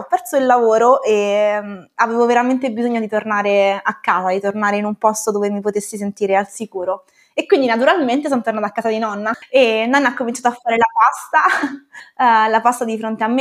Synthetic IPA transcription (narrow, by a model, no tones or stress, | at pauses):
ɔpːɛrsoilːavoːɾoʔemaveːvoveɾament̪ebizoɲːod̪it̪ornaːɾeakːaːzad̪it̪ornaːɾeinumpɔst̪od̪oːvemipot̪esːis̬ent̪iːɾealsikuːɾo | ekwind̪inat̪uɾalment̪es̬onot̪ːoɾrnaːt̪akːazad̪inɔnːaenːɔnːaakːomint͡ʃaːt̪oafːaːɾelapast̪a | lapast̪ad̪ifɾont̪eamːe